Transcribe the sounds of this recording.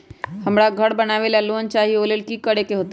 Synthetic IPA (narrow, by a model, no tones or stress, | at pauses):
həmɽaɡʱəɽbənaːʋelalont͡ʃaːɦioːleːlkikəɽekeɦoːt̪